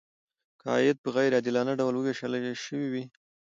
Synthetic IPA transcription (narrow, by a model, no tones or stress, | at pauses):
kʰɑ̰jɪd̪̚pəɣajɾɑd̪ilɑnaɖawlwəweʃəlʃəwiwi